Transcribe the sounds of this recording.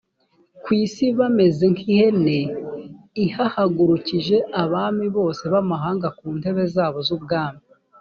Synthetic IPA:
kwiːsiβame̞zeŋkʰihe̞ne | ihahaɡuɾuciʒe̞ʔaβaːmiβo̞ːse̞βamaɦaːŋɡakuːnde̞βe̞zaːβo̞zub̚ɡaːmi

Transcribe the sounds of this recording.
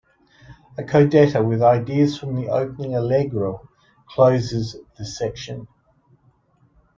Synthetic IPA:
əkʰəʊdɛɾəwɪðaɪdiəz̥fɹə̃mðiʔə̰ʊpənɪ̃ŋəlɛɡɹəʊ | kʰl̥əʊzɪzðəsɛkʃə̃n

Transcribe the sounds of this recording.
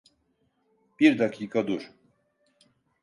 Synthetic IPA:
b̥iɾd̪akʰiːkʰad̪uɾ̥

